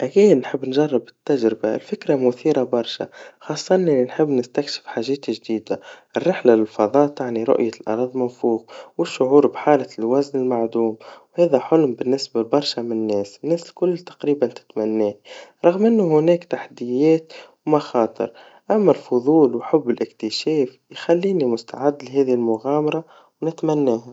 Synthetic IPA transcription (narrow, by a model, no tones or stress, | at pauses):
ʔækiːd̪nħɪbːnʒɑrˤːɑbɪt̪ːaʒɾɪbaɪlfɪkɾamʊθiːɾabɑɾˤʃa̰xɑːsˤːʔnːʔnːinħɪbːnɪst̪akʃɪ̥fħaːʒɛːt̪ʒd̪iːd̪aʔɪrːɪħlalɪlfɑðˤɑːt̪aʕniɾʊ̰ʔjalʔɑ̰ɾˤɑðˤmanfuːɣwɪʃːʊʕuːɾbħaːlɪlwæznɪlmaʕd̪uːmwhɛːðæħʊlmbɪnːɪsbabɑɾˤʃamɪnnːɛːsnːɛːslkʊlːt̪ɑ̥qɾiːbant̪ɪ̥t̪mænːɛːɾˤɑɣmʔɪnːʊhʊnɛːkt̪aħad̪ɪjɛːt̪wmɑxɑːt̪ˤɨ̰ɾ | ʔæmːælfʊðˤuːlwħʊbːɪlʔɪk̚t̪ɪʃɛːf | jxælːiːnimʊst̪aʕɪd̪ːlɦɛːðihɪlmʊɣɑːmɑɾˤɑ | wnɪt̪mænːɛːha